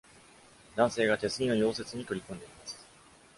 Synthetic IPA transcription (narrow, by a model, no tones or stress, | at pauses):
d̪ãɰ̃se̞ːɡat̪e̞sɨɲ̟ʲino̞ɲʲo̞ːse̞t͡sɨɲ̟it̪o̞ɾʲikõ̞nd̪e̞imasɨ̥